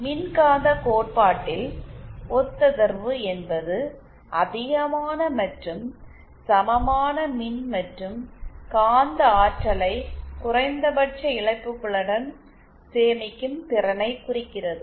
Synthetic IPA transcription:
mɪnkaːnd̪ɐkoːʈ̚paːʈːɪlɔt̪ːɐðɐɾʋɯɛnbɐðɯ | ʔɐðɪɣɐmaːnɐmɐʈrɯm | sɐmɐmaːnɐmɪnmɐʈrɯmkaːnd̪ɐaːʈɾɐlɐɪkʊrɐɪnd̪ɐbɐʈ̚t͡ʃːɐɪɭɐɪpːɯkːɯɭɐɽɐn | seːmɪkːɯmpɪrɐnɐɪkʊrɪkːɪrɐðɯ

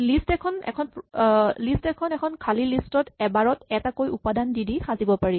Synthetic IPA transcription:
listɛkʰɔnɛ̰kʰɔnplistɛkʰɔnɛkʰɔnkʰalilistɔtɛbaɹɔtɛtakojupadandidixazibɔpaɹi

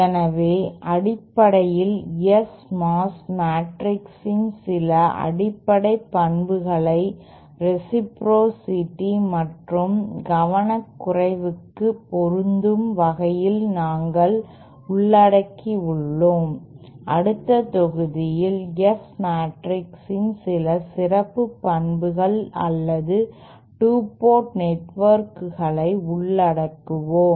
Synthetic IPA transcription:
ɛnɐʋeːʔɐɽɪpːɐɽɐjɪlɛsmaːsmaːʈɾɪksɪnsɪlɐʔɐ̰ɽɪpːɐɽɐɪpːɐɳbɯɣɐɭɐɪ | ɾɛsɪpɾoːsɪʈːimɐʈrɯmɡɐʋɐnɐkːʊrɐɪʋɯkːɯpːɔɾɯnd̪ɯmʋɐɣɐjɪlnaːŋɡɐɭ | ʊɭːɐɽɐkːiʊɭːoːm | ʔɐɽɯt̪ːɐt̪ɔɣɯðɪjɪlɛsmaːʈrɪksɪnsɪlɐsɪrɐpːɯpːɐɳbɯɣɐɭɐ̰lːɐðɯ | ʈuːpoːʈnɛʈʋɐɾkɯɣɐɭɐɪʊɭːɐɽɐkːɯʋoː

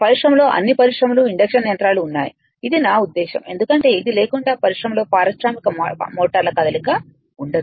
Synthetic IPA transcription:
pɐɾiʂɾɐmlo̞ːʔɐ̰nːipɐɾiʂɾɐmuluiɳɖɐkʂɐnːjɐnt̪ɾaːluːnːa̰ːjḭ | id̪inaːud̪ːɛːʃɐ̰me̞̰nd̪ukɐɳʈe̞ːid̪ile̞ːkuɳɖaːpɐɾiʂɾɐmlo̞ːpaːɾɐsɾaːmikɐmoːʈɐɾlɐkɐd̪ɐlikɐ | uɳɖɐd̪i

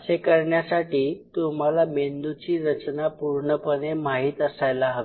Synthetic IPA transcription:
əsekəɾɳjasaʈiːt̪um̤alamend̪ut͡ɕiːɾət͡ɕnapuɾɳəpənemaɦiːt̪əsajlaɦəʋe

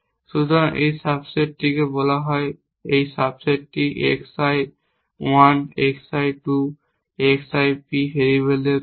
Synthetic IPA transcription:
sudɔʔḛjsabsettikɛbɔlaɦɔj | ejsabsettiʔɛ̰ksaj | waneksajtu | eksajpiɦeɹiβele

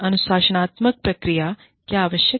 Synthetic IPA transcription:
ɐnuswaːsɐɳaːt̪mɐk̚pɾɐkɾija | kjaːʋəʃjə

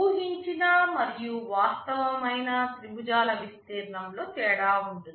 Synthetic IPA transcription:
uːɦiɲt͡ʃinɐmɐɾijuʋaːst̪ɐʋɐmɐjnɐsɾibud͡ʒaːlɐʋist̪iːɾnɐmlo̞ːt̪ɛːɽaːuɳʈui

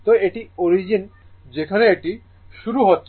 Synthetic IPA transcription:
t̪oeʈioɾid͡ʑin | d͡ʑekʰaneeʈi | ʃuɾuɦotːɕʰ

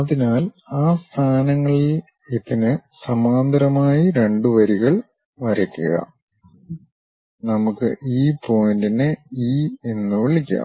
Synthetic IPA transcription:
ɐðinaːl | aːst̪ʰaːnɐŋːɐɭil | iðinɨsɐmaːnd̪ɾɐmaːjiɾe̞ɳɖuʋɐɾiɣɐɭ | ʋɐɾɐkʲːuɣɐ̰ | nɐmukːɨʔiːpo̞jindinɨiːenːɨʋeɭikʲːa̰ːm

